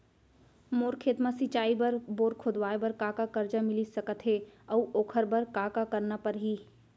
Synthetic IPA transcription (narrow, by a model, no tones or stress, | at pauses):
moːɾkʰeːt̪mãsɪt͡ʃaːibɐɾboːɾkʰod̪waːebɐɾkaːkakəɾd͡ʒamɪlisɐkət̪ɦeəuʔoːkʰəɾbəɾkaːkakɐɾnapəɾɦiː